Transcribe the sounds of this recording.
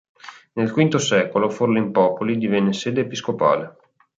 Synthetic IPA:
nelkwint̪osɛːkoloforlimpɔːpolid̪ivɛnːeseːd̪eːpiskopa̰ːle

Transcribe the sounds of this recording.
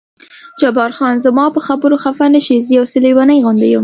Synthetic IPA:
d͡ʒabɑɾxɑnzəmɑpəxabəɾoxafanaʃizijawsɪlewɑnajɣand̪ajum

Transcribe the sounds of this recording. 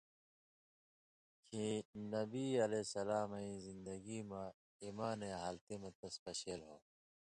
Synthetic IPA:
kʰinɐbiɐleːsɐlaːmɐĩzĩnd̪ɐɡimã | imaːneɦaːlt̪emɐt̪ɐspɐɕelɦoː

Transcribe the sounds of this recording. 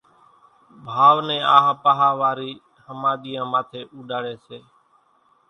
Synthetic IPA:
bʱaːʋnɛ̃ːaːɦãːpaɦaːʋaːɾiː | həmaːɗ̪iːjãːmaːt̪ʰeːʔuːɗaːɽeːseː

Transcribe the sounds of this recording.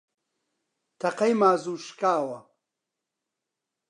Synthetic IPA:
t̪ʰɐqɐjmaːzuːʃkaːwɐ

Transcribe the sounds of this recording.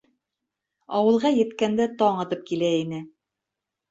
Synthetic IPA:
ɑwɤ̆lˠʁɑjɘ̆t̪kænd̪æt̪ɑɴɑ̆t̪ɤp̚kilæinɘ

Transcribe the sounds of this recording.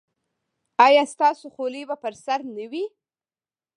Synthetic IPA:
ɑjɑst̪ɑsoxolibapəɾsaɾnəwi

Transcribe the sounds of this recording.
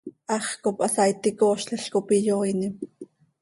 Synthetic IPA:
ʔɑχkopʔɑsɑit̪ikoːʃɬeɬkopijoinim

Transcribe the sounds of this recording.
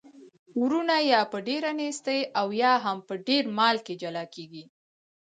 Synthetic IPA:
wɾunajɑpəɖeɾanest̪əjʔawjɑɦampəɖeɾmɑlked͡ʒalɑkeɡi

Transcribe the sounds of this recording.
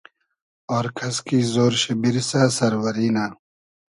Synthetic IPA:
ɔːɾkʰɐskiːzoːɾɕebiɾisaːsɐɾwɐɾiːnaː

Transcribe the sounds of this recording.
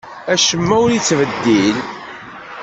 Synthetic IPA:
æʃəmːæʊɾit͡sːvəd̪ːil

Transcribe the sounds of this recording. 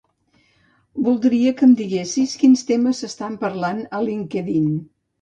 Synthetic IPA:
bulˠd̪ɾiəkəmd̪iɣesiskinst̪eməzəst̪ampəɾlanəliŋkəðin

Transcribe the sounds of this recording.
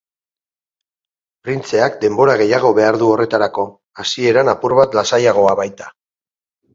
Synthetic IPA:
pɾint͡se̞akd̪e̞mbo̞ɾaɣ̞e̞jaɣ̞o̞βe̞aɾðuo̞re̞t̪aɾako̞ | asie̞ɾanapuɾβat̪lasajaɣ̞o̞aβajt̪ḁ

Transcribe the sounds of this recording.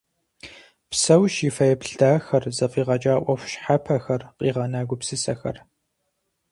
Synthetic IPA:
psɐwʃifɐjɛpɬdaːxɐrzɐqiːʁɐt͡ʃʼaːʔʷɐxʷʃħapʰɐxɐrqʼiːʁɐnaːɡʷʊpsɨsɐxɐ̰r

